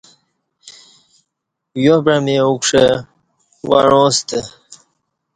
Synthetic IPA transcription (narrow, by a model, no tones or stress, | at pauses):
jobɾameukʂə | wa̰ɻõːst̪ə